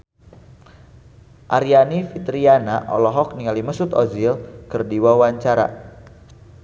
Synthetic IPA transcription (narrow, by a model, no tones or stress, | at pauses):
ʔaɾianifit̪ɾianaʔɔ̰lɔɦɔk̚niŋaliməsʊt̪ɔzilkərdiwawaɲt͡ʃaɾa̰